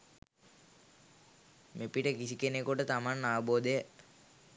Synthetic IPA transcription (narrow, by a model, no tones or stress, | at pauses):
mepiʈəkisikenekuʈət̪amanːaʋəboːd̪ejə